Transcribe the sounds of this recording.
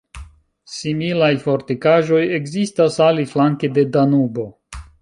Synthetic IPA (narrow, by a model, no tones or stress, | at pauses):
similajfo̞ɾtikaʒo̞je̞ɡzistasaliflaŋkede̞danubo̞